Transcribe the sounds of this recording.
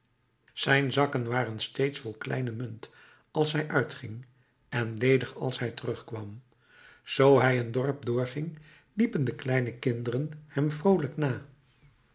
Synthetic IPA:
z̥ɛjnzɑkənʋaːrənstejtsfɔlˠklɛ̰jnəmɵnt | ɑlˠsɦɛjʔœɥtχɪŋ | ɛnlejdəχɑ̰lˠsɦɛjtərɵχkʋɑm | z̥owɦɛjəndɔɹp̚dʊːɹχɪŋ | lipəndəklɛjnəkɪndərənhɛmvrowləknaː

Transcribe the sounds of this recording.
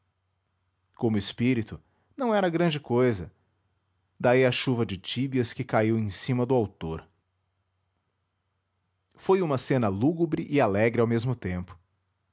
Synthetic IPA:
kõmʊɪspiɾit̪ʊ | nɐ̃w̃ɛɾɐɡɾɐ̃d͡ʒɪkojzɐ | d̪aiɐʃuvɐd͡ʒɪt͡ʃibiɐskɪkaiwẽj̃sĩmɐd̪ʊawt̪oɾ | fojũmɐsẽnɐluɡubɾɪʔɪalɛɡɾɪawmezmʊt̪ẽmpʊ̥

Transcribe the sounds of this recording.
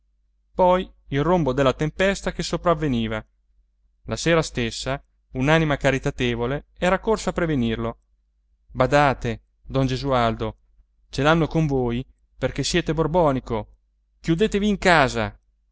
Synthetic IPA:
pɔjilrombod̪elːat̪empɛst̪akesopɾavːeniːva | laseːɾast̪esːa | unanimakaɾit̪at̪eːvoleɛːɾakorsaːpːɾevenirlo | bad̪aːt̪e | d̪ɔnd͡ʒezuald̪o | t͡ʃelanːokoɱvoːj | perkesjɛːt̪eborbɔːniko | k̟jud̪eːt̪eviːŋkaːza̰

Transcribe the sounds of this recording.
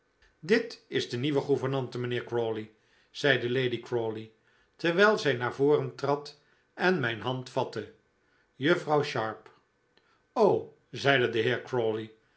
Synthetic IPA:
dɪtɪzdəniʋəχuvəɹnɑntəmənɪːɹkroːli | z̥ɛjdəlejdikroːli | tɛɹʋɛjlˠzɛjnaːɹvoːrəntrɑt | ɛnmɛjnɦɑntfɑtə | jɵfrɑwʃɑɹp | ow | zɛjdədəɦɪːɹkɹoli

